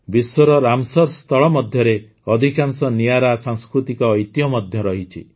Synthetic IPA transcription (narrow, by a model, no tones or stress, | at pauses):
biswɔɾɔɾamsɔɾst̪ʰɔɭɔmɔd̪ʱjɔɾe | ɔd̪ʱikansɔnijaɾasaŋskɾut̪ikɔːjt̪ijɔmɔd̪ʱjɔɾɔɦit͡ʃʰḭ